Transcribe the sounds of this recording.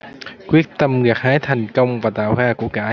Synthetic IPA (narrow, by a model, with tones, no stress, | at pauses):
kwi˦˥ət̚t̪ə˧mɣaː˨˩k̚haː˨˦jt̪ʰɛ˨˩jŋ̟kə˧wŋ͡mvaː˨˩t̪a̰ː˧˨whaː˧ku˧˩əkaː˧˩ʔ